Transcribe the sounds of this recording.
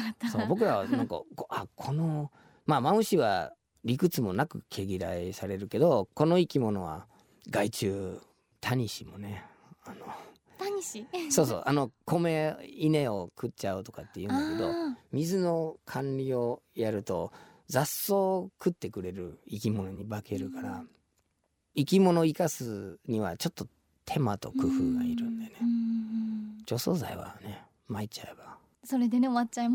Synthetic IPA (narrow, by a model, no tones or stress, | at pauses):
soːbo̞k̬ɯ̟ɾaβanãŋka̰koʔakʰo̞no̞ | maːmaɯ̟ɕiβa̰ | ɾʲikɯ̟t͡sɨmo̞nakɯ̟̰kʰe̞ɡʲiɾaisaɾe̞ɾɯ̟ke̞d̪o̞ko̞no̞ikʲimo̞no̞βa̰ | ɡait͡ɕɨː | t̪ʰaɲ̟iɕimo̞ne̞ | ano | t̪ɲiiso̞ːso̰ːʔano̞kʰo̞me̞ine̞o̞kɯ̟tt͡ɕaɯt̪o̞̥kat̪ːe̞jɯ̟̃aked̪o̞mʲizɨno̞kʰãnɾʲio̞jaɾɯ̟t̪o̞̰ | zasːo̞ːkɯ̟t̪ːe̞kɯ̟ɾe̞ɾɯ̟̰ikʲimo̞no̞ɲ̟ibake̞ɾɯ̟kaɾa | ikʲimo̞no̞ikasɨɲ̟iβa̰t͡ɕo̞t̪ːo̞ | t̪ʰe̞mat̪o̞̰kɯ̟ɸɯ̟ːɡaiɾɯ̟̃nd̪e̞ne̞ | t͡ɕo̞ːso̞ːza̰iβa̰ne̞ | mait͡ɕae̞ba | so̞ɾe̞d̪eneoβat͡ɕaem